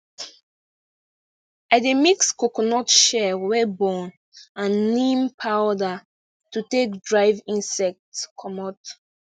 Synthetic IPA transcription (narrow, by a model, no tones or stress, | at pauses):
ademikskokɔnɔtʃɛwɛbɔ̃n | ãnːĩmpʰawda | tutek̚dɹaɪvĩnsɛk̚tskʰɔmɔt